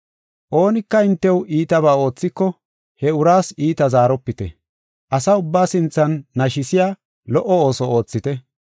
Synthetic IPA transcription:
ʔo̞ːnɪkːɐɪnt̪ːɛwʔiːt̪ɐbaːo̞ːt͡sːɪkːɔ | hɛʊɾaːsiːt̪ɐzaːɾɔpːɪt̪ɛ̰ | ʔɐsɐʊbːaːsɪnt͡sːɐnːɐʃɪsɪjaː | lɔʔɔo̞ːsɔoːt͡sːɪt̪ɛ

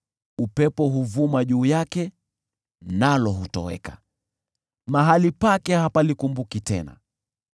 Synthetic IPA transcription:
upɛpɔɦuvumaʄuːjakɛ | nalɔɦutɔ̰wɛ̰kḁ | maɦalipakɛhapalikumbukitɛna̰

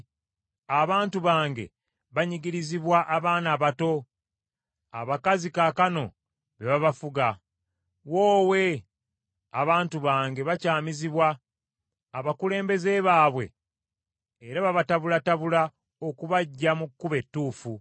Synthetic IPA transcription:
aβaːntuβaːŋɡe̞̰ | βaɲiɡiɾiziβwaʔaβaːnaβato̞ | aβakazikakano̞ | βe̞βaβafuɡa | wo̞ːwe̞ | aβaːntuβaːŋɡe̞βacaːmiziβwaː | βakule̞ːmbe̞ze̞βaːβwe̞̰ | ɾaβaβataβulataβula | o̞kuβaɟːamukːuβe̞tːuːfu

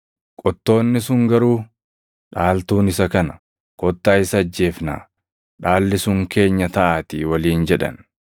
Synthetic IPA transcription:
kʼɔt̪ːo̞ːnːɪsʊŋɡɐɾuː | ᶑaːlt̪uːnɪsɐkɐnɐ | kʼɔt̪ːaːɪsɐːd͡ʒːe̞ːfna̰ː | ᶑaːlːɪsʊŋke̞ːɲːɐt̪ɐʔaːt̪iːwɐliːnd͡ʒɛᶑɐ̰n

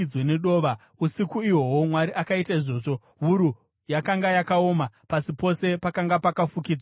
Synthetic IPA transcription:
wene̞ɗo̞ːʋa | usikuiwo̞womwaɾiʔakaitaiʐo̞ːʐo̞ | ɦuɾu | jakaŋɡajakao̞ːmapasipo̞se̞pakaŋɡapakafukiːd͡zwa

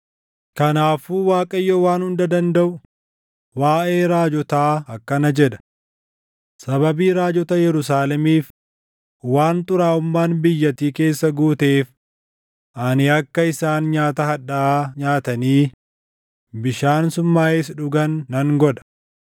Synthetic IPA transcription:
kɐnaːfuːwaːkʼɐɪjːoːwaːnhʊnd̪ɐd̪ɐnd̪ɐʔʊ | waːʔeːɾaːd͡ʒɔt̪aːɐkːɐnɐd͡ʒɛᶑɐ̥ | sɐbɐbiːɾaːd͡ʒɔt̪ɐjɛɾʊs̬aːlɛmiːf | waːnt̪ʊɾaːʊmːaːnbɪjːɐt̪iːke̞ːsːɐɡuːt̪e̞ːf | ʔɐnɪɐkːɐɪsaːnɲaːt̪ɐhɐᶑɐaːɲaːt̪ɐniː | bɪʃaːnsʊmːaːeːs̬ᶑʊɡɐnːɐŋɡɔᶑɐ̥

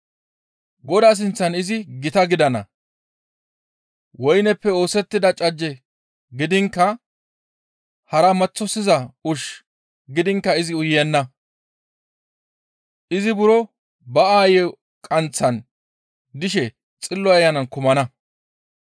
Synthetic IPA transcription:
ɡɔd̪aːs̬ɪnt͡sːɐnɪzɪɡɪt̪ɐɡɪd̪ɐnɐ̰ | wɔjnɛpːɛo̞ːsɛt̪ːɪd̪ɐt͡ʃʼɐd͡ʒːɛ | ɡɪd̪ɪŋkːɐ | hɐɾɐmɐt͡sːɔsɪzɐʊʃ | ɡɪd̪ɪŋkːɐɪzɪʊjːɛnːɐ | ʔɪzɪbʊɾɔ | bɐaːjɛ | kʼɐnt͡sːɐn | d̪ɪʃɛ | t͡sʼɪlːɔɐjːɐnɐnkʊmɐnɐ

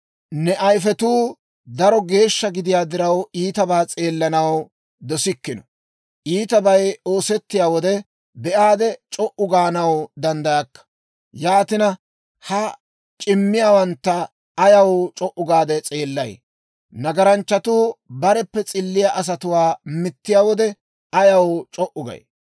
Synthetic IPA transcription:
nɛʔɐjfɛt̪uː | d̪ɐɾɔɡe̞ːʃːɐɡɪd̪ɪjaːd̪ɪɾɐwiːt̪ɐbaːt͡sʼe̞ːlːɐnɐw | d̪ɔsɪkːɪnɔ | ʔiːt̪ɐbɐjo̞ːsɛt̪ːɪjaːwɔd̪ɛ | bɛʔaːd̪ɛt͡ʃʼɔʔʊɡaːnɐwd̪ɐnd̪ɐjɐkːɐ̥ | jaːt̪ɪnɐ | hɐ | t͡ʃʼɪmːɪjaːwɐnt̪ːɐː | jɐwt͡ʃʼɔʔʊɡaːd̪ɛt͡sʼeːlːɐj | nɐɡɐɾɐnt͡ʃːɐt̪uːbɐɾɛpːɛt͡sʼɪlːɪjaʔɐs̬ɐt̪ʊwaːmɪt̪ːɪjaːwɔd̪ɛ | ɐjɐwt͡ʃʼɔʔʊɡɐ̰j

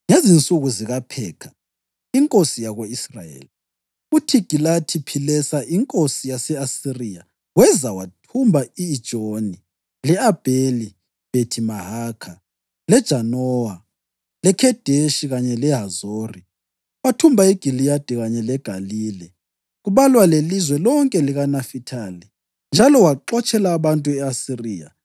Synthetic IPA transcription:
ŋezint͡sʼuɣuziɣapʰɛːkʰḁ | iŋkʼosijaɣweisra̰jḛːli | utʰiɡ̥ʱilatʰipʰilɛsaʔiŋkʼosijasɛasirija | wɛzawatʰumbʱaiːd̥ʒ̥ʱʼoni | lɛab̥ʱeli | b̥ʱetʰimaɦaːkʰa | lɛd̥ʒ̥ʱanɔwa | lɛkʰɛd̥ʱeʃiɣaɲɛlɛɦazori | watʰumbʱaiɡ̥ʱilijad̥ʱiɣaɲɛlɛɡ̥ʱaliːlɛ | ɣuβalwalelizwɛlɔŋkʼɛliɣanafitʰali | nd͡ʒʱalɔwaǃɔt͡ʃʼɛlaːβantʼuɛasiriːa̰

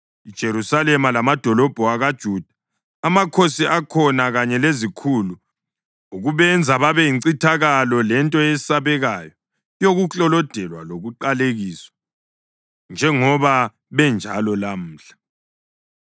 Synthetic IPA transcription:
id̥ʒ̥ʱeɾusalɛmalamad̥ʱɔlɔb̥ʱɔaɣad̥ʒ̥ʱud̥ʱa | amakʰosiʔakʰɔnaɣaɲɛlezikʰulu | uɣuβɛnd͡zʱaβaβɛjiǀitʰaɣalɔlɛntʼɔesaβɛɣajɔ | joɣuɬɔlɔd̥ʱɛlwa̰loɣuǃaleɣiːswḁ | nd͡ʒʱɛŋɔβa | βɛnd͡ʒʱalɔlam̩ːɬḁ

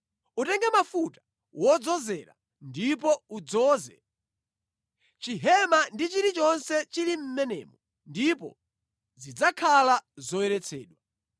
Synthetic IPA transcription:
utɛŋɡamafutḁ | wɔd͡zɔzɛɾa̰ | ndip̬ɔud͡zɔːzɛ̰ | t͡ʃiɦɛmandit͡ʃiɾit͡ʃɔnsɛt͡ʃilim̩mɛnɛ̰ːmɔ | ndipɔ̰ | zid͡zakʰalazɔwɛɾɛt͡sʰɛ̰ːɗwa

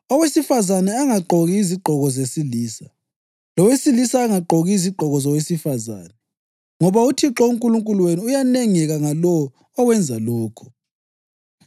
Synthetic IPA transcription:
ɔwesifazanɛaŋaǃʱoɣiːziɡ͡ǃʱɔɣɔzesiliːsa | lɔwesilisaːŋaǃʱoɣiiziɡ͡ǃʱɔɣɔzɔwesifaza̰ːnɛ | ŋɔβautʰiǁɔuŋkʼuluŋkʼulweniujaneŋɛɣaŋalɔwː | wɛnd͡zʱalɔːkʰɔ̥

